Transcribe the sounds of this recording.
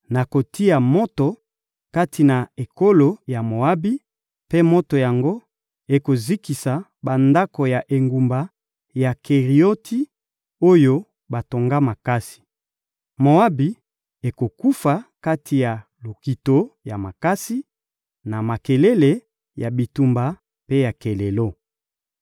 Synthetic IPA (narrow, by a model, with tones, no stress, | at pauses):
na˨ko˨ti˦a˨mo˦to˨ | ka˦tʰi˨na˨e˨ko˦lo˨ja˨mo˨a˦bi˦ | pe˦mo˦to˨ja˨ŋɡo˦ | e˨ko˨zi˦ki˨sa˨ba˨nda˦ko˨ja˨ʔe˨ŋɡu˨mba˨ | ja˨kʰe˨ʁi˨o˦tʰi˦ | o˦jo˦ | ba˨to˨ŋɡa˦ma˨ka˦si̥˨ | mo˨a˦bi˨ | e˨ko˨ku˦fa˨ka˦tʰi˨ja˨ | lo˨ki˨to˦ja˨ma˨ka˦si˦ | na˨ma˨ke˨le˦le˨ | ja˨bi˨tu˨mba˨ | pe˦ja˨ke˨le˨lo˦